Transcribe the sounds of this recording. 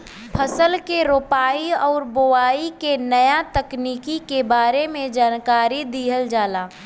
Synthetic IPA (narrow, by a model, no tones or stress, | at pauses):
pʰəsəlkeɾoːpaːiɔːɾboaːikenəjat̪əkniːkikebaːɾemẽd͡ʒaːnkaːɾid̪iːɦəld͡ʒaːlaː